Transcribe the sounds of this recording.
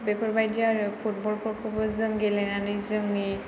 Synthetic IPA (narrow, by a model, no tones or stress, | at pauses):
bɛpʰɔɹbajdiaɹpʰut̚bɔlpʰɔɹkʰɔbɔzɯŋɡɛlɛnanizɯŋi